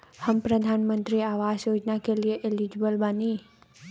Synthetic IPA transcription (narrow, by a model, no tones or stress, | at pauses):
həmpɾəd̪ʱanmə̃nt̪ɾiaʋaʃjod͡ʒnakelieʔelid͡ʒbəlbani